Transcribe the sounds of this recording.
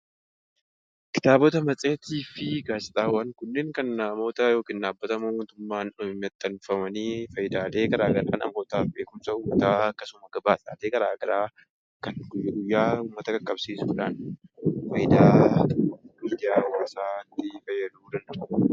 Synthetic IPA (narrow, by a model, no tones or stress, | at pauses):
kɪ̥t̪aːbɔt̪ɐmɐt͡sʼeːt̪iːfɪɡaːsɪt̪ʼaːwɐŋkʊnːeːŋkɐnmo̞ːt̪ɐjo̞ːkɪnːaːbːɐt̪ɐmmoːt̪ʊmːaːnmɛt̪ʼːɐnfɐmɐnifɐjd̪aːle̞ːkɐɾaːɡɐɾaːnɐ̰mo̞ːt̪aːfbeːkʊnsɐʊːmːɐt̪aːɐkːɐsʊmɐɡ̥ɐbaːsaːleːkɐɾaːɡɐɾaː | kɐnɡʊjːɐɡʊjːaːʊːmːɐt̪ɐɡɐkʼːɐbsiːsʊːᶑaːnfɐjɪd̪aː | ɡʊjaːwaːsaːt̪ːɪfɐjːɐd̪uuːd̪ɐnd̪ɐbʊ